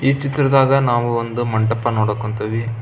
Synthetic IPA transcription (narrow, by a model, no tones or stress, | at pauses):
iːt͡ʃit̪ːɾɐd̪aːɡɐnaːʋuond̪umɐɳʈɐpːɐnoːɽɐkːoɳt̪ɐʋi